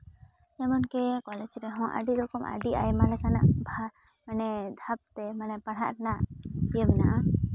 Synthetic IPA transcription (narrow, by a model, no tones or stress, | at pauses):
ɛmɔnkɛkɔlɛd͡ʒɾɛɦɔ̃ʔa̰ɖiɾɔkɔmʔa̰ɖiʔa̰jmalɛkanaʔbʱa | manɛd̪ʱap̚t̪ɛmanɛpaɽ̤aʔɾɛnaʔijebɛnaʔa